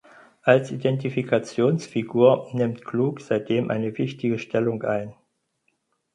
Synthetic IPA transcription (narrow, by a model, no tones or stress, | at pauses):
ʔalsḭdɛntifikʰat͡sjoːnsfiɡuːɐnɪmtkʰluːkz̥aɪt̚d̥eːmʔa̰ɪnəvɪçtɪɡəʃtʰɛlʊŋʔa̰ɪn